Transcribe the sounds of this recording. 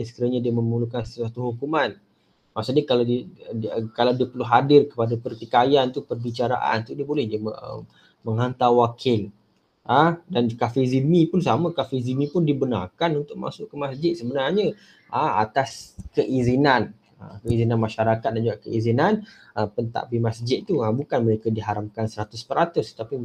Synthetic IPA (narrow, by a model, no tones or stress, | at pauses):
sə̥kiɾaɲadiamə̃mulukansəat̪uhukuman | maʔsuɲakaladi | kalawdiəpəlʊɦadɪrkə̥padapərt̪ikajant̪upərbit͡ʃaɾa̰ʔa̰nt̪udiəbolɛhd͡ʒaəə̰ | məŋant̪awakʰɪl | ʔədankafezimĩpʊns̬amə̃kafizimĩpʊndibəna̰rkanunt̪ʊkʔ̚ma̰sʊʔkəmasd͡ʒɪt̪̚səbənarɲə | ʔəa̰t̪askəʔizinan | ə̰kəizinanmaʃaɾakat̪̚dand͡ʒuɡaʔkəizinan | əpənt̪a̰ʔpimasd͡ʒɪt̪̚t̪ːuabukanməɾekadiɦaɾamkansəɾat̪ʊspəɾat̪ʊst̪api